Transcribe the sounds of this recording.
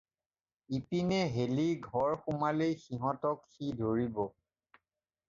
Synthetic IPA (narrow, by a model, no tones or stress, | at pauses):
ipinɛɦeliɡʱɔɹxumalejxiɦɔ̃tɔkxidʱoɹibɔ